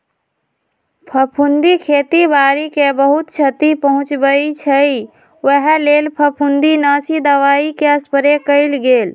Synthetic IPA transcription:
pʰəpʰund̪ikʰeːt̪ibaːɾikebəɦut̪t͡ʃʰət̪ipəɦʊ̃t͡ʃbəit͡ʃʰəi | ʋəɦɛleːlpʰəpʰund̪inaːsid̪əʋaːikeəspəɾekəɪlɡeːl

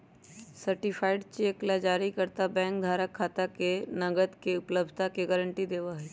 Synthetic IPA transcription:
səɾʈɪpʰaːɪɖt͡ʃeːklad͡ʒaːɾikəɾt̪abɛ̃ːŋkd̪ʱaːɾəkʰːaːt̪akenɐɡəd̪keʊpləb̚d̪̚ʱt̪akeɡəɾə̃ɳʈid̪eːʋaɦɛː

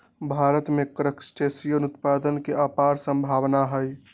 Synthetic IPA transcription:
bʱaɾət̪mekɾəksʈesijənut̪pad̪ənkeʔapaɾsə̃mbʱabnaɦəj

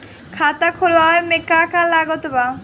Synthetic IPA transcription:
kʰat̪akʰolaɦɔemekːakalaɡot̪oba

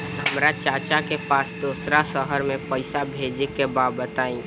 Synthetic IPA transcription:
ɦəmɾat͡ʃaːt͡ʃakepaːsd̪uːsɾasəɦəɾmẽpəɪsabʱeːd͡ʒekebaːbət̪aːĩː

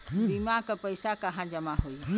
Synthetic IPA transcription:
bimãkəpəjsakəɦãd͡ʒəmaɦoi

